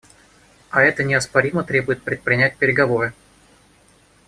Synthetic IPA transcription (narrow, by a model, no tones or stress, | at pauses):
ɐɛt̪ənʲɪɐspɐɾʲimət̪ɾʲe̞bʊjɪt̪̚pɾʲɪt̪̚pɾʲɪnʲæt̚ʲpʲɪɾʲɪɡɐvo̞ɾɨ